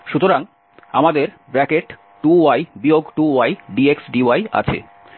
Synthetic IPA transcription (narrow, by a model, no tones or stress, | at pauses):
ʃut̪oɾaŋ | amad̪eɾ | bɾɛkeʈ | ʈuajbioɡʈuajɖieksɖiaja̰t͡ɕʰḛ